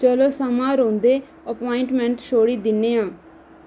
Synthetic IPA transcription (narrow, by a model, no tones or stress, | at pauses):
t͡ʃəloːsəmãːɾõːnd̪eː | əpoːɪɳʈmɛ̃ːɳʈʃoːɽiːd̪ɪnːeːãː